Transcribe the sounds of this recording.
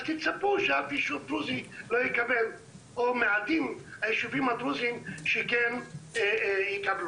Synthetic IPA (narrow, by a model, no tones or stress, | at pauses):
azt̪it͡sapuʃeafiʃud̪ɾuzinlojikabel | omead̪imhajeʃuvimad̪ɾuzimʃɛkɛn | jikablu